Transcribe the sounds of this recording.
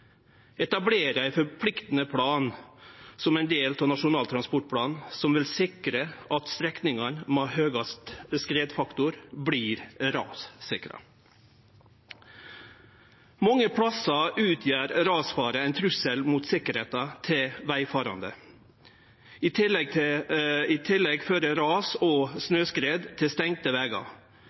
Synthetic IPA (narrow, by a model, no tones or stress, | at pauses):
ɛt̪ɑbleːɾəæɪfɔɾpʰlɪkt̪n̩əpʰɽɑːn | sɔmæɪnd̪eːlt̪ʰɑnɑʂʊnɑːlt̪ɾɑnspɔʈpʰɽɑːnn̩sɔmʋɪlsɪkɾəʔɑt̪st̪ɾɛknɪŋɑnmɑhøːɡɑst̪skɾeːd̪fɑkt̪ʊɾbɽiːɾɾɑ̰ːssɪkɾɑ̰ | mɑŋːəpʰɽɑsɑʔʉːt̪ʰjæːɾɾɑːsfɑːɾəɛɪnt̪ʰɾʉsəlmut̪sɪkəɾheːt̪ɑt̪ʰɪlʋæɪfɑːɾɑ̰nd̪ə̰ | ɪt̪ʰɪlɛɡ̚t̪ʰ | ɪt̪ʰɪlːɛɡføːɾəɾɑːsɔsnøːskɾeːd̪t̪ʰɪst̪ɛŋ̚t̪əʋɛɡɑ̰